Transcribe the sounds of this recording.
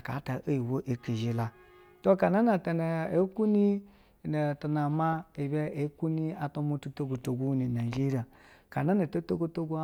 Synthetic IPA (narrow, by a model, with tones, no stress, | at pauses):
ka̰˨˦ta˨ʔo˦ji˨wo˦ʔi˨ki˨ʒi˦la˦ | to˦ka˨na˦na˨te˨ne˨e˨˦ku˦ni˦˨ | ne˨ta˨na˨ma˦i˨be˦ʔe˨˦ku˦ni˦a˨to˦mo˦tu˦to˦ɡo˨to˨ɡu˦ni˨na˨d͡ʒi˦ɾa˨ka˨na˦na˨to˦to˦ɡo˦to˦ɡu˦